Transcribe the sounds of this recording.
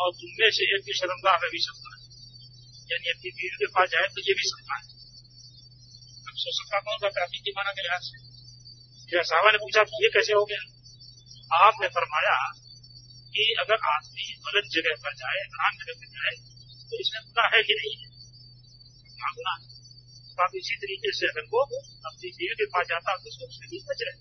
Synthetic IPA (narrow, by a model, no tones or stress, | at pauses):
ɔːɾd̪ʊmːeseːk̚biʃɐɾəmɡ̪amɛbʱisɐk̚t̪aɦɛ | jaːniɐt̪ibiːɾd̪epasd͡ʒaːet̪ojebʱisɐkt̪aɦɛ | ɐbsoːsək̚t̪at̪aɦõɡ̪akaːfik̪imaːnakelɪɦaːse | meːɾasaːʋanepuːt͡ʃʰakijekɛːseɦoɡea | aːpnefɐɾmaːja | kiɐɡəɾaːd̪mibɐlət̪̚d͡ʒɐɡɛɦpɐɾd͡ʒaːeɛt̪ɾaːnd͡ʒɐɡəɦpɐɾd͡ʒaːe | t̪oɪsmẽkʊlaɦɛjenɐɦĩɦɛ | ãːɡʊnaɦɛ | t̪aːkɪsit̪ɐɾiːqeseɐɡəɾkoɐpnid̪eːlkepaːsd͡ʒaːt̪aɐpnisoːt͡ʃmebʱibɐt͡ʃɾɛɦ